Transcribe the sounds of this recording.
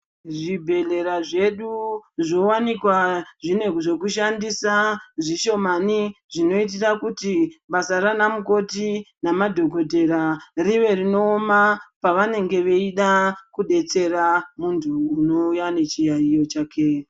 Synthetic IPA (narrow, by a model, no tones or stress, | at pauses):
ʐibʱe̞ɮe̞ɾaʐe̞ɗuʐowanikwaʐine̞kʐe̞kuʃandisaʐiʃo̞maniʐino̞it̬irakutiɓasaɾanamuko̞tinamadʱo̞ɡʱo̞dʱe̞ɾariʋe̞rino̞ːmapaʋane̞ŋɡe̞ʋeiɗakuɗe̞t͡se̞ramuntʰuːno̞ujane̞t͡ʃijaijo̞t͡ʃaːke